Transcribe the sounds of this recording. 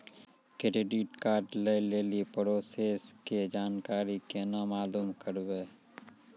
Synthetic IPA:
kɪɾeɖiʈkaːɾɖleleːlipɾoːseːsked͡ʒaːnkaːɾikenamaːluːmkəɾweː

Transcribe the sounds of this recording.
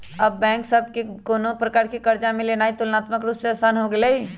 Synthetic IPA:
ɐbːɛ̃ːŋksɐb̚kekoːnopɾɐkaːɾkikɐɾd͡ʒamẽleːnaːit̪ʊlnaːt̪məkɾuːpseɐːsaːnɦoɡɐleɦi

